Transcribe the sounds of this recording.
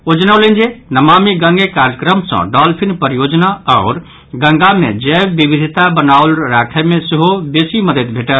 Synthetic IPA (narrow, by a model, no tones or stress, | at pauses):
od͡ʒnaʊlend͡ʒenəmamiɡə̃ŋɡekaɾjəkɾəmsə̰̃ɖɔlpʰinpəɾijod͡ʒnaɔʊɾ | ɡə̃ŋɡamḛd͡ʒɛbːibid̪ʱit̪abənaʊlɾakʰɛmẽseɦobesiməd̪ət̪bʱeʈəl